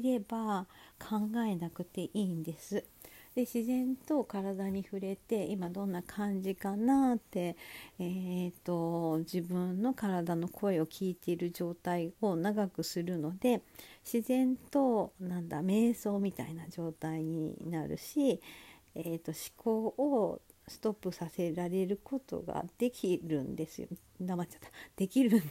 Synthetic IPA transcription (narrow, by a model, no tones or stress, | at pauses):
iɾe̞bakʰãŋɡae̞nakɯ̟t̪e̞ʔiːnd̪e̞sɨ | d̪̥e̞ɕizẽ̞nt̪o̞kaɾad̪aɲ̟iɸɯ̟ɾe̞t̪e̞imad̪õ̞nːakʰãɲ̟d͡ʑikanat̪ːe̞et̪o̞d͡ʑibɯ̟̃nːo̞kaɾad̪ano̞kʰo̞e̞o̞kʲʰiːt̪e̞iɾɯ̟ʑo̞ːt̪aio̞naɡakɯ̟sɨɾɯ̟no̞d̪e̞ɕizẽ̞nt̪o̞nãnd̪ame̞ːso̞ːmʲit̪a̰inad͡ʑo̞ːt̪aiɲ̟ḭnaɾɯ̟̰ɕi | et̪ːo̞ɕi̥kʰoːʔo | sɨ̥t̪o̞pːɯ̟sase̞ɾaɾe̞ɾɯ̟kʰo̞t̪o̞̰ɡa̰d̪̥e̞kʲiɾɯ̟̰̃nd̪e̞sɨjo̰ | d̪amat͡ɕḁt̪ːḁd̪̥e̞kʲiɾɯ̟n